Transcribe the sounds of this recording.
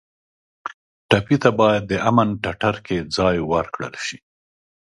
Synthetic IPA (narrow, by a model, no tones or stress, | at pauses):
ʈapit̪abɑjad̪ːəʔamanʈaʈaɾked͡zɑjwaɾkɽə̰lʃi̥